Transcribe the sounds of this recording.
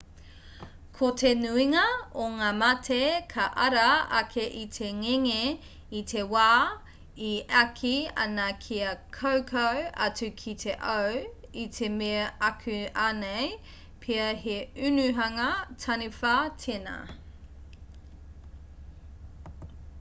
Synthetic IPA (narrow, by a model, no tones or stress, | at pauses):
kʰotʰenuiŋɐoŋaːmɐtʰekʰɐʔɐɾɐɐkʰeʔitʰeŋeŋe | itʰewaː | iʔɐkʰiɐ̰nɐkʰiɐkʰowkʰowɐ̰t͡sʉkʰitʰeʔɐwit̪ʰemeɐʔɐkʰʉanej | pʰiɐɦeʉnʉɦɐŋɐtʰɐnifatʰenɐ̰